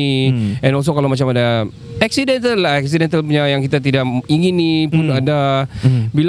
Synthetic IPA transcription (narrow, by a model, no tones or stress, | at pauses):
iɛnɔls̬okalawmat͡ʃamada | ɛksidɛnt̪əlːaɛksidɛnt̪alpuɲajaŋkit̪at̪idaʔiŋinipʊnada | bil